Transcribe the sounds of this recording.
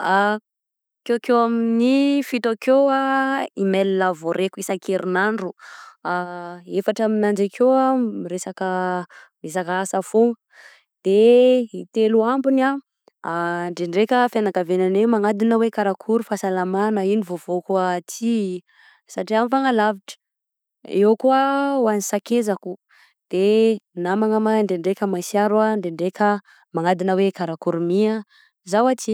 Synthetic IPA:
a | kekewaminifit̪okeaimelilavoɾekuisakʰeɾinaɳɖ͡ʐuaefaʈ͡ʂaminand͡ʒakʰewamiɾesakə | mes̬akaasafoŋə | d̪̥eit̪eluambuna | ɳɖ͡ʐeɳɖ͡ʐekʲəfjanaɡavenanewmaŋad̪inəwekaɾakʰuɾufasalamanəinivov̥okuati | saʈ͡ʂiamifaŋalaviʈ͡ʂə̥ | ewkuawanisakezaku | d̪̥enamaŋamaɳɖ͡ʐeɳɖ͡ʐekʲəmajsiaɾuaɳɖ͡ʐeɳɖ͡ʐekə | maŋad̪inəwekaɾakuɾumia | zawat͡ʃi

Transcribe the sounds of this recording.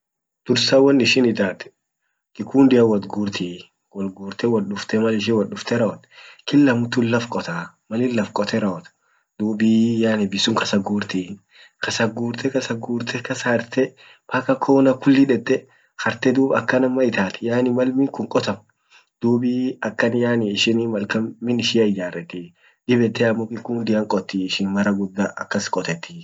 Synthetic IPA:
d̪̥ʊɾsɐwɐnɪʃɪnɪd̪aːt̪ɛ̥ | kʼɪkʰuːnd̪ɪɐwɐt̪ɡuːɾt̪ʰi | wɔlɡuːɾt̪ɛwɐlɗʊft̪ɛmɐlɪʃ̬ɪwɐlʊft̪ɛɾɐɔt̪kɪlːɐmʊt̪ʊlːɐfkʼɔt̪a | mɐlɪlːɐfkʼɔt̪ʰɛɾɐɔt̪ | d̪̥uːbijaːnɪbɪsʊŋkɐsɐɡuːɾt̪i | kɐsɐɡuːɾt̪ɛkɐsɐɡuːɾt̪ʰɛkɐsɐɐɾt̪ɛ | pɐkɐkʰoːnɐkʊlːiᶑɛt̪ːɛ | xɐɾt̪ɛd̪uːbɐkːɐnɐmːɐɪt̪aːt̪ɪjaːnɪmɐlmɪŋkʊŋkʼɔt̪ɐm | d̪̥uːbiɐkːɐnjaːnɪɪʃɪnɪmɐlkɐmmːɪnɪʃɪɐɪd͡ʒaːrːɛt̪ːɪ | ᶑɪbɛt̪ːɛɐmːɔkɪkːund̪ɪɐŋkʼɔt̪ːiɪʃɪnmɐɾɐɡʊd̪ːaʔɐ̰kːɐskʼɔt̪ɛt̪ːɪ̥

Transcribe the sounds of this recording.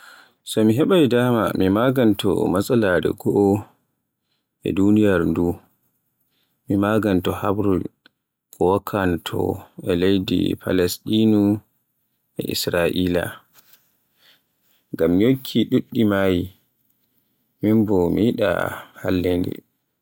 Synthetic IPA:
sɔmiɦɛɓajdama̰mimaɡantɔ̰masaladɛ̰ɡɔʔɔ | ʔɛ̰dunijaɾndu | mimaɡantɔhabɾul | kɔwakʰːantʰɔ̰ɛlejdḭpʰa̰lɛstinu | ʔɛ̰ʔḭsɾaʔiːla̰ | ŋɡamːjokʰːiɗuɗːimaji | minbɔmiiɗa̰ha̰lːendɛ̰

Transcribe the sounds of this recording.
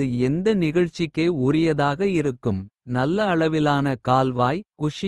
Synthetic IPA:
ɯɛnd̪ɐnɪɣɐɻt͡ʃːɪkːeːʊɾɪjɐðaːɣɐɪɾɯkːɯmnɐlːɐːɭɐʋɪlaːnɐkaːlʋaːjkʊʂɪ

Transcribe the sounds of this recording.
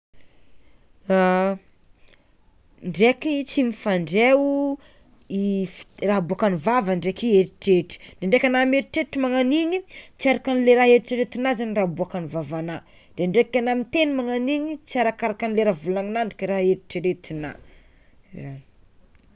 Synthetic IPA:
a | ɳɖ͡ʐekit͡simifaɳɖ͡ʐe | ifraɦbuakanivavaɳɖ͡ʐekieɾiʈ͡ʂeʈ͡ʂi̥dɖ͡ʐ̥eɳɖ͡ʐekʲanameɾiʈ͡ʂeʈ͡ʂimaŋaniɲit͡siaɾakanileɾaɦeɾiʈ͡ʂəɾet̪inazanirabuakanivavana | d̥eɳɖ͡ʐekanamit̪enimaŋaniɲit͡siaɾakaɾakanileɾavulaŋinaɳɖ͡ʐukiɾaɦeɾiʈ͡ʂeɾet̪ina̰ | zani̥

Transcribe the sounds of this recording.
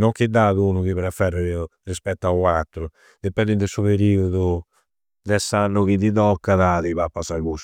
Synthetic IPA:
nɔŋkid̪ːaːðunukiβɛɾafːɛrerispɛt̪ːawat̪ːɾu | d̪epːɛnd̪ind̪esuβeɾiːuðu | d̪ɛsːanːʊɣid̪iðɔkːaðaðiβapːasaɾɡus

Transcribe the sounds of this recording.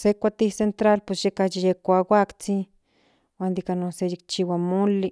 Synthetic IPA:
sekʷat̪isent̪ɾalpesjekajijekʷawakt͡si | wand̪ikanosejik̚t͡ʃiwamoli

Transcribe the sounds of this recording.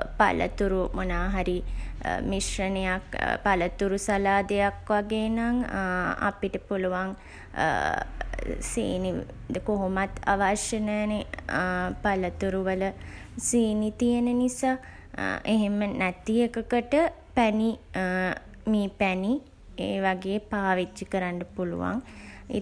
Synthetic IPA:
pa̰lʔə̰t̪uɾumonaːɦaɾimiʃrənəjakpalət̪uɾusalaːd̪ejakʋaɡeːnaŋa̰piʈəpuluʋaŋ | sḛːni | d̪əkoɦomat̪a̰ʋaʃjənəjne | palət̪uɾuʋələ | seːnit̪ijənənisaː | ʔeɦemənæt̪ijekəkəʈə | pæni | miːpæni | ḛːʋaɡeːpaːʋid͡ʒikəɾaɳɖəpulṵʋa̰ŋḭ

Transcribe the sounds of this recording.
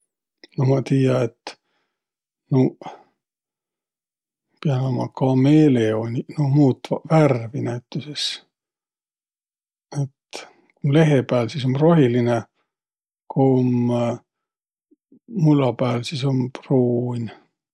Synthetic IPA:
nomɑt̪iːjɑet̪ː | no | piɑnɑmɑkɑmele̞onʲinomuːt̪ːˑɑværvinæt̪ːˑuses | et̪ | kunle̞ɦe̞pæːlsis̬o̞mro̞ɦiline | kʰom | ulɑpæːlsiso̞mpruːnʲ

